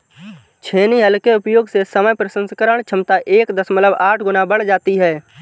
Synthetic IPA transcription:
t͡ʃʰeːniɦəlkeʊpjoːɡsesəməjpɾəʃə̃nskəɾəɽ̃t͡ʃʰəmt̪aʔeːkd̪əsmətləbaːʈʰɡʊnabəɽ̤d͡ʒaːt̪iɦɛː

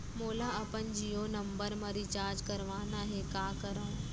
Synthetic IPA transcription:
moːlaɐpənd͡ʒijonɐmbəɾmə̃ɾit͡ʃaːɾd͡ʒkɐɾʋaːnaɦekaːkəɾə̃

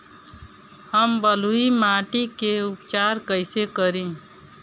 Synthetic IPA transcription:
həmbəluimaʈikeupt͡ʃaɾkəɪsekəɾin

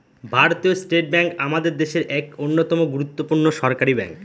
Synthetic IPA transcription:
bʱaɾot̪iosʈeʈ̚bɛŋkamad̪eɾd̪eʃeɾʔɛkonːot̪ɔmoɡuɾut̪ːopuɾnoʃɔɾkaɾibɛ̰ŋk

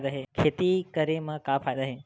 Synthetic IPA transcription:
d̪əɦekʰet̪ikəɾemãkapʰad̪aɦe

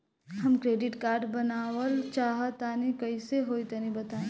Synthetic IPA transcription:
ɦɐmkɾeːɖɪʈkaːɾɖbɐnaːwəlt͡ʃaːɦət̪aːnikɐɪseɦoːit̪ɐnĩbɐt̪aːẽ

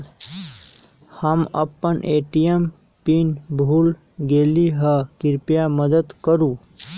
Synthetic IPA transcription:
həmə̰pːənʔeʈijem | pinbʱuːl | ɡeliɦəkɪɾpjaməd̪əd̪kəɾu

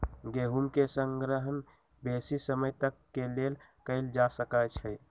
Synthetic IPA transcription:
ɡeɦumkesəŋɡɾəɦən | besisəməjt̪əkːelelkəɪld͡ʒasəkat͡ʃʰɛ

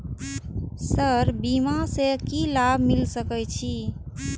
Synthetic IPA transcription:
səɾbimasekilabʱmilsəkɛjt͡ʃʰi

